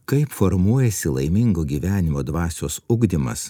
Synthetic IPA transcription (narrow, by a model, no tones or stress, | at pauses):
kɐɪpfoɾmuɔjɛsʲɪlˠɐ̰ɪmʲɪŋɡoːɡʲiːʋʲæːnʲɪmoːd̪ʋɑːsʲoːsʊɡd̪ʲɪmɐ̰s